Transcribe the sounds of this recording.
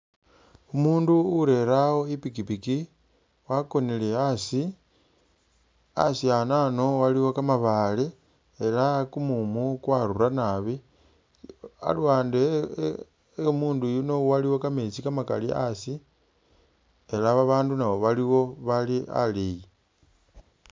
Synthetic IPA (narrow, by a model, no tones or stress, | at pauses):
umuːnduːɾe̞ɾawo̞ipikipiki | wako̞nile̞asi | a̰sianano̞waliwo̞kamaβale | elakumumukwaɾuranaβi | a̰lwaːnde | muːndujuno̞waliwokamet͡sikamaka̰lḭa̰si | e̞laβaβaːndunawo̞βaliwo̞βalia̰leji